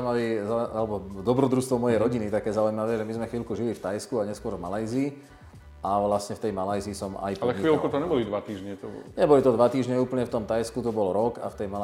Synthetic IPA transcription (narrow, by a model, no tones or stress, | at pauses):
maʋizaalɛbɔd̪ɔbɾɔd̪ɾust̪ʋɔmɔjɛjɾɔɟinit̪akɛːzaujmaʋɛːʒɛmizmɛxʋiːlkuʒilift̪ajskuaɲɛskʊɔɾvmalajziː | ʔaʋlasɲɛft̪ɛjmalajziːsɔma̰jpalɛxiʋiːlkut̪ɔɲɛbɔlid̪ʋat̪iːʒɲɛt̪ɔbɲɛbɔlit̪ɔd̪ʋat̪iːʒɲɛuːpl̩ɲɛft̪ɔmt̪ajskut̪ɔbɔlɾɔka̰ft̪ɛjma